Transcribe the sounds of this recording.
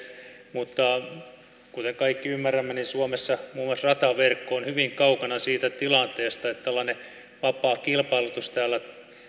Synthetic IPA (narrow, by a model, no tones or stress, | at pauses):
mut̪ːɑ | kut̪eŋkɑikːiymːæræmːæninsuomesːɑmuːmuoɑlsrɑt̪ɑʋerkːoonhyʋiŋkɑukɑnɑsiːt̪æt̪ilɑnt̪eːst̪ɑet̪t̪ːæolːɑne | ʋɑpˑɑːkilpɑilut̪ust̪æːlːæ